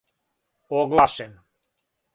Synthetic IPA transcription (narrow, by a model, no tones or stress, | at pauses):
oɡlˠaʃen